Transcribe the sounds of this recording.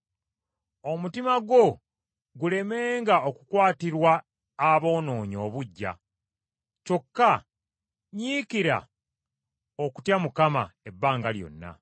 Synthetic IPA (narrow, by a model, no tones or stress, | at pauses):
o̞mutimaɡo̞ | ɡule̞me̞ːŋɡaokukwaːtiɾwaː | βo̞ːno̞ːɲo̞̰ːβuɟːa̰ | t͡ʃo̞kːa | ɲiːkiɾa̰ | oku̥tjamukama̰e̞bːaːŋɡaljo̞̰nːa̰